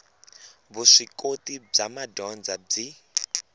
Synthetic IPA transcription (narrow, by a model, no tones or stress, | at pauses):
βuʂikotib͡ʐamadɔnd͡zab͡ʐi